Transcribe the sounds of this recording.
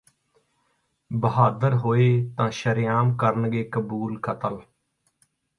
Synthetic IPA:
bəɦaːd̪əɾɦoːeːt̪ãːʃəɾɪjaːmkəɾənɡeːkəbuːlkʰət̪əl

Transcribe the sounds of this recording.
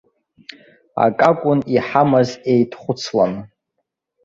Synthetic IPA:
a̰kʼakʷʼʊniħamazejtʰχʷʊt͡sʰla̰n

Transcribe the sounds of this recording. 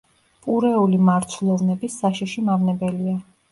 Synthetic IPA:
pʼuɾɛulimaɾt̪sʰlˠɔvnɛbisːaʃiʃimavnɛbɛlia

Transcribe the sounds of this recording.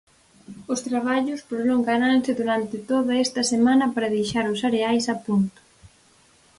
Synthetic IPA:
ʊst̪ɾaβ̞aʎʊspɾoloŋɡanansɪðuɾant̪ɪt̪oðɐɛst̪ɐsemanɐpaɾɐðejʃaɾʊsaɾeajsɐpunt̪ʊ̥

